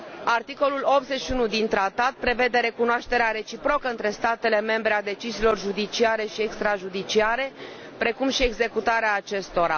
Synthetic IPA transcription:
art̪iko̞lulo̞p̚t̪ze̞ʃiunud̪int̪ɾat̪at̪̚pɾe̞ve̞d̪e̞ɾe̞kunoaʃt̪e̞ɾeaɾe̞t͡ʃipɾo̞kəɨnt̪ɾe̞st̪at̪e̞le̞me̞mbɾe̞ad̪e̞t͡ʃiziːlo̞rʒud̪it͡ʃiaɾe̞ʃiekst̪ɾaʒud̪it͡ʃiaɾe̞ | pɾe̞kumʃie̞ɡze̞kut̪aɾeaːt͡ʃe̞st̪o̞ɾa̰

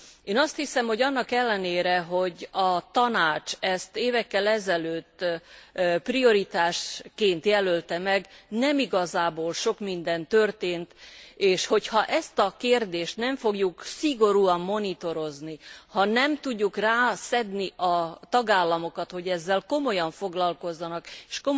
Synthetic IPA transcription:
eːnɒst̪hisɛmho̞ɟɒnːɒkɛlːɛneːɾɛɦo̞ɟɒt̪ɒnaːt͡ʃɛst̪eːvɛkːɛlɛzɛløːt̪ː | prio̞ɾit̪aːʃkeːnt̪jɛlølt̪ɛmɛɡnɛmiɡɒzaːboːlʃo̞kmind̪ɛnt̪ø̞rt̪eːnt̪eːʃho̞chɒʔɛst̪ɒkeːrd̪eːʃt̪nɛɱfo̞ɡjuksiɡo̞ɾuɒmːo̞nit̪o̞ɾo̞znihɒnɛmt̪uɟːukraːsɛd̪niʔɒt̪ɒɡaːlːɒmo̞kɒt̪ho̞ɟɛzːɛlko̞mo̞jɒɱfo̞ɡlɒlko̞zːɒnɒkeːʃko

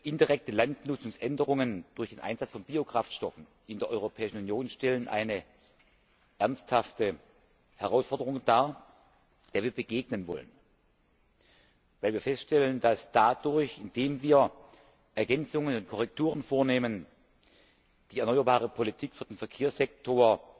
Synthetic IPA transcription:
ʔɪndiʁɛk̚təlantnʊt͡sʊŋsʔɛndəʁ̞ʊŋənd̥ʊɐçd̥eːnʔa̰ɪnz̥at͡sfɔnbiːokʁ̥aftʃtɔfn̩ | ʔɪndeːɐʔɔʏʁopʰɛːɪʃn̩unjoːnʃtɛlənʔa̰ɪnə | ʔɛɐnsthaftə | hɛʁaʊsfɔɐdəʁʊŋd̥aːɐ | d̥eːɐviːɐbəɡeːɡ̚nənvɔ̰lə̰n | vaɪlviːɐfɛstʃtɛləndasd̥adʊɐçɪnd̥eːmviːɐ | ʔɛɐɡɛnt͡sʊŋənʊnt̚kʰɔʁɛk̚tʰuːʁ̞ənfoːɐneːmən | d̥iːɛɐnɔʏɐbaːʁ̞əpʰolitʰiːkfyːɐd̥eːnfɛɐkʰeːɐsz̥ɛk̚tʰoːɐ

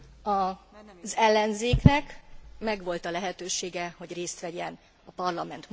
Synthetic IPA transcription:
ɒzɛlːɛnzeːknɛkmɛɡʋo̞lt̪ɒlɛɦɛt̪øːʃeːɡɛho̞ɟreːst̪ʋɛɟɛn | ɒpɒrlɒmɛnt̪

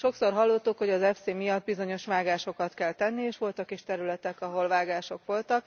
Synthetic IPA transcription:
ʃo̞kso̞rɦɒlːot̪ːukho̞ɟɒzɛfseːmijɒd̪̚bizo̞ɲo̞ʃʋaːɡaːʃo̞kɒt̪kɛlt̪ɛnːieːʃʋo̞lt̪ɒkiʃt̪ɛɾylɛt̪ɛkɒɦo̞lvaːɡaːʃo̞kʋo̞lt̪ɒk

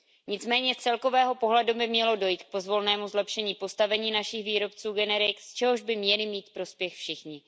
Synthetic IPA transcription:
ɲɪt͡smɛːɲɛt͡sɛlko̞vɛːɦo̞po̞ɦlɛdubɪmɲɛlo̞do̞jiːt̪k̚po̞zvo̞lnɛːmuzlɛpʃɛɲiːpo̞st̪avɛɲiːnaʃɪxviːɾo̞pt͡suːɡɛnɛɾɪkst͡ʃɛɦo̞ʒbɪmɲɛlɪmiːt̪pɾo̞spjɛxfʃɪxɲɪ

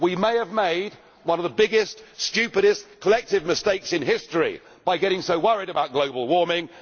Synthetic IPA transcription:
wimeɪəvmeɪd̚ | wʌ̃nʌvðəbɪɡɪstst͡ʃʉˑpɨɾɪskʰəlɛk̚tɪvmɪsteɪksɨ̃nɦɪstɹ̥ḭ | b̥aɪɡɛɾɪ̃ŋsəʊwʌɹɪɾəbaʊt̚ɡ̥ləʊbəlˠwɔɹmɪ̃ŋ

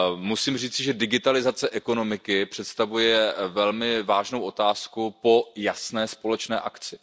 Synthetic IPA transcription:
musiːmr̝iːt͡sɪʒɛdɪɡɪt̪alɪzat͡sɛʔɛko̞no̞mɪkɪpr̝̥ɛt̪st̪avujɛvɛlmɪvaːʒno̞wʔo̞t̪aːskupo̞jasnɛːspo̞lɛt͡ʃnɛːʔa̰kt͡sɪ

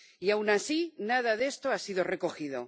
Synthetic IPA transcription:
iawnasinað̞aðe̞st̪oasiðo̞re̞ko̞xið̞o̞̰

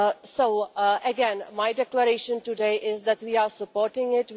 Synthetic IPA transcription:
soːʔəɡɛ̃nmaɪɖɛkləɾeːʃə̃nʈuɖeːʔɪzd̪æʈʋiːaːɾsəpoːɾʈɪ̃ŋɪʈ

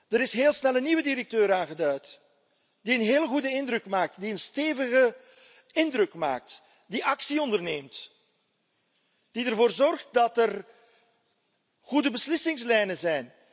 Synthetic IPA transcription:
d̥əɾɪsɦeːlˠsnɛlˠənːiʋədiɾək̚tøːɾaːnɣədœɥt | diənɦeːləɣudəɪndrɵkmaːk̚tdiənsteːvəɣə | ɪndrɵkma̰ːk̚t | diʔɑksiɔndərneːmt | d̥idərvoːrzɔrχt̚dɑtər | ɣudəbəslɪsɪŋslɛjnəzɛjn

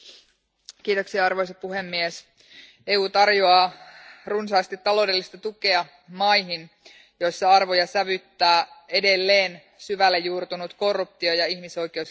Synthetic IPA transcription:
kiːt̪o̞ksiɑɑrʋo̞js̬ɑpuɦe̞mːies | euːt̪ɑrjoɑruns̬ɑːst̪it̪ːɑlo̞de̞lːist̪ɑt̪uke̞ɑ | mɑjɦin | jo̞jsːɑɑrʋo̞jɑsæʋyt̪ːæːe̞de̞lːe̞ːn | syʋælːejjuːrt̪unut̪ko̞rːup̚t̪iojɑiçmiso̞jk̟e̞us

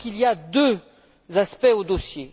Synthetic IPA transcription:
kiliad̪ø | zaspɛod̪osje

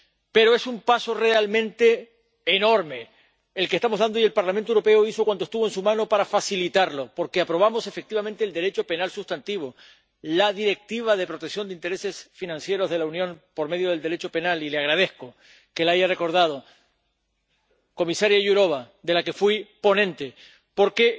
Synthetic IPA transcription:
pe̞ɾoe̞sumpaso̞re̞almẽ̞nt̪e̞ː | no̞ɾme̞ | elkest̪amo̞ɦðand̪oielpaɾlamẽnt̪owɾo̞pe̞oiso̞kwanost̪uβoensumãno̞paɾafasilit̪aɾlo̞po̞ɾke̞apɾo̞β̞amo̞se̞fek̚t̪iβamẽnt̪eːld̪e̞ɾe̞t͡ʃo̞pe̞nalsust̪ant̪iβ̞o̞ | laðiɾe̞k̚t̪iβ̞aðe̞pɾo̞t̪eksjo̞nd̪eint̪eɾe̞se̞sfinãnsje̞ɾo̞zð̞e̞launjõ̞ŋpo̞ɾme̞ðjoð̞e̞ld̪e̞ɾe̞t͡ʃo̞pe̞nalileaɣ̞ɾað̞e̞hko̞ | ke̞laʝare̞ko̞ɾð̞að̞o̞ | ko̞misaɾjaʝuɾo̞β̞a | d̪e̞lake̞fwipo̞nẽ̞nt̪e̞ | po̞ɾke̞

